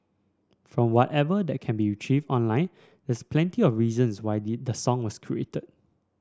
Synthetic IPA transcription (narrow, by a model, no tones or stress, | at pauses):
fɹɔ̃mwɔtɛvədɛt̚kʰɛ̃nbiit͡ʃivdɔ̃nlãɪ̃n | dɛsplɛ̃ntiɔfɹizə̃nswaɪdəsɔ̃ŋwɔskʰɹḭetəd̚